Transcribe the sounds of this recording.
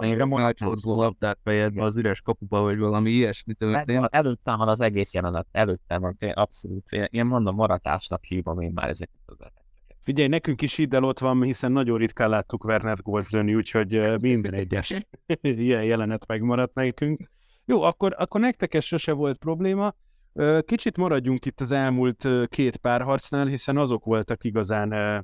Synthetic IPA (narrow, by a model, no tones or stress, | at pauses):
iɾɛmonɒtozoːlɒb̚d̪aːt̪fɛjɛzb̪ɛɒzyɾɛʃkɒpubɒvɒɟvɒlɒmiijɛʃmit̪øɛt̪eːʔɛløːt̪ːɛmvɒnɒzɛɡeːsjɛlɛnɛt̪ɛløːt̪ːɛvɒnt̪eʔɒpso̞luːt̪ḛnʔeːmmond̪omːɒɾɒt̪a̰ːʃnɒkhibɒmeːmːa̰ːɾʔɛ̰zɛky̥t̪ːɒzɛ̰lɛt̪d̪ɛkɛ̥kfiɟɛjnɛkyŋkiʃid̪ːɛlo̞t̪ʋɒmhisɛnːɒɟo̞rit̪kaːlaːt̪ːukvɛrnɛɾɡoːzd̪ønːiuːcho̞ɟømind̪nɛɟːɛʃ | iɛjjɛlɛnɛt̪mɛɡmɒɾɒt̪nɛkyŋk | joːɒkːo̞ɾɒkːo̞rnɛk̚t̪ɛkɛʃo̞ʃɛvo̞lt̪̚pro̞bleːmɒ | øːkit͡ʃit̪mɒɾɒɟːuŋkit̪ːɒzɛlmuːlt̪økʰeːt̪paːrɦɒrt̪snaːlɦisɛnɒzo̞kʋo̞lt̪ɒkiɡɒzaːnøː